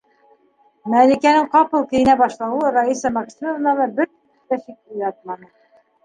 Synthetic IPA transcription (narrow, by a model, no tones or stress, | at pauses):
mælikænɘŋqɑpɤlˠkɘ̆jɘ̆næbɑʃlˠɑwɤɾaisɑmɑksʲinovnɑlˠɑbɘɾt̪ | t̪æʃik̚ujɑt̪mɑnɤ